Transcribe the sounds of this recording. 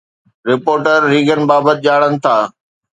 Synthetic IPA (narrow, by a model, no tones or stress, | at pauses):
ɾɪpoːɾʈəɾːiːɡənɪ̆baːbət̪ɪʄaːɽənɪ̆t̪ʰaː